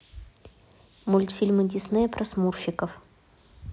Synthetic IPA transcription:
mulʲt̪fʲilʲmɨd̪ʲisnɨjpɾɐsmurfɪkəf

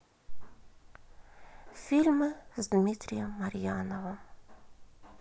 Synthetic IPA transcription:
fʲilʲmɨzd̪mʲit̪ɾʲɪjəmːɐɾʲjanəvəm

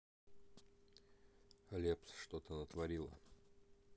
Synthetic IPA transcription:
ɐlʲepsʂt̪ot̪ənət̪vɐɾʲilˠə̰

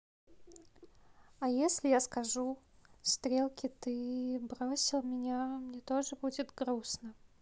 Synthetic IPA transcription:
ɐjesʲlʲɪjaskɐʐu | st̪ɾʲelˠkʲɪt̪ɨbɾo̞sʲɪlˠmʲɪnʲamnʲet̪o̞ʐɨbudʲɪt̪ɡɾusnə

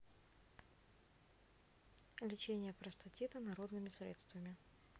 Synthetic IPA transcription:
lʲɪt͡ɕenʲɪjəpɾəst̪ɐtʲit̪ənɐɾo̞d̪nɨmʲɪsɾʲet̪st̪vəmʲɪ

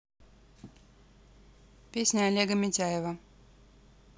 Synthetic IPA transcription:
pʲesʲnʲəalʲeɡəmʲɪtʲæjɪvə

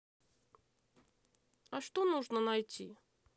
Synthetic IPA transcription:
ɐʂt̪onuʐnənɐjtʲʰi

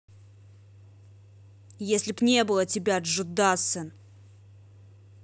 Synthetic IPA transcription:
jesʲlʲɪbnʲebɨlˠətʲɪbʲaʐɨd̪asɨn

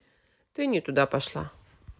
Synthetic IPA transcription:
t̪ɨnʲɪt̪ʊd̪apɐʂlˠa̰

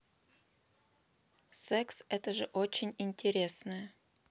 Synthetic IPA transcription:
sɛksɛt̪əʐɨʔot͡ɕɪnʲinʲtʲeɾʲesnɨ

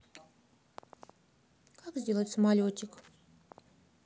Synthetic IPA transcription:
kakzʲdʲe̞lˠətʲsəmalʲot͡ɕʲːɪk

